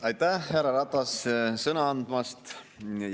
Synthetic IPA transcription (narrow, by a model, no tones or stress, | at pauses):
ɑjt̪ːˑæhæɾɑɾɑt̪ˑːɑssɤnɑɑnd̪̥mɑst̪